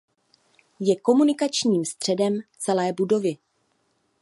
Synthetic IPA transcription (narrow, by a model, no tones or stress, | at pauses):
jɛko̞munɪkat͡ʃɲiːmst̪r̝̥ɛdɛmt͡sɛlɛːbudo̞vɪ